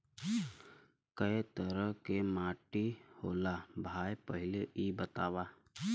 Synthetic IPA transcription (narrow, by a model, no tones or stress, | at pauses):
kəet̪əɾəɦkemaːʈihoːlabʱaːjpəɦɪleʔibət̪aːwaː